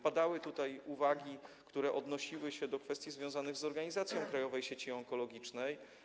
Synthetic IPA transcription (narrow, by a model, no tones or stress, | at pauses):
pad̪awɘt̪ut̪ajuvaɡʲikt̪uɾɛʔɔd̪nɔɕiwɘɕɛd̪ɔkfɛst̪ʲjizvʲjɔ̃w̃zanɘɣzɔɾɡaɲizat̪sʲjɔ̃w̃kɾajɔvɛjɕɛt͡ɕiɔŋkɔlɔɡʲit͡ʂnɛj